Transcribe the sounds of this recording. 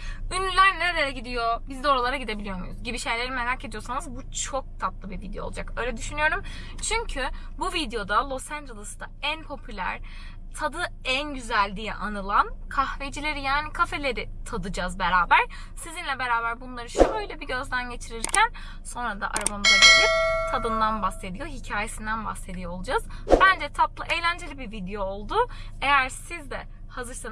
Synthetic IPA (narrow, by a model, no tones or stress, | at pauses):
ynylʲæɾnʲɛɾeɾɛɟid̪ijo̞bizd̪oɾalˠaɾaɟid̪ebilʲijo̞mujɾuzɟibiʃe̞jlʲe̞ɾime̞ɾaːced̪ijo̞sanɯzbut͡ʃʰo̞k̚t̪ʰap̪lˠɯbivid̪ejo̞̰lˠud͡ʒa̰kø̞jlʲɛd̪yʃynyjo̞ɾum | t͡ʃʰyɲcʰy | buvid̪ejo̞d̪alˠo̞sænd̪ɾelˠɯsɯd̪aænpʰo̞pʰylʲæ̰ɾ̥ | t̪ʰad̪ɯænɟyzælʲd̪ijɛ̰ʔanɯlˠankʰahvejd͡ʒilʲe̞ɾijaːnikʰafe̞lʲe̞ɾit̪ʰad̪ɯd͡ʒazbe̞ɾaːbæɾ̥ | sizinlʲɛbe̞ɾaːbæɾbunlˠaɾɯʃuøjlʲɛbiɟø̞zd̪ʲænɟe̞t͡ʃʰiɾiɾcʰæn | so̞nɾad̪a̰ʔa̰ɾabamɯzˠaɾilit̪ʰad̪ɯnd̪anbase̞d̪ijo̞ɦicʰaːje̞sind̪ænba̰hse̞d̪ijoolˠud͡ʒazbænd͡ʒɛt̪ʰaplˠɯʔe̞jlʲænd͡ʒe̞lʲibiɾvid̪ejo̞ːlˠd̪ʊ | e̞jæɾsizd̪ɛ | hazɯɾsa